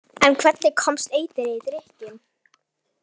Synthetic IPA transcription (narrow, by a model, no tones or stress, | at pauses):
ɛnkʰvɛt̪nɪkʰɔmst̪eːjt̪ɪɾeðɾɪhcɪn